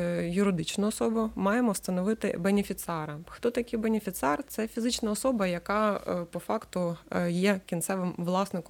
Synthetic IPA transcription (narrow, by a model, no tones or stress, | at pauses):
jʊɾɪd̪ɪt͡ʃnʊɔsɔbʊmɑjemɔst̪ɐnɔʋɪt̪ɪ̰benʲɪfʲit̪sɛɾɐxt̪ɔt̪ɐkʲijbenʲɪfʲit̪sɛrt̪sɛfʲizɪt͡ʃnɐɔsɔbɐjɐkɑpɔfɑkt̪ʊjɛkʲint̪sɛʋɪmʋlˠɑsnɪk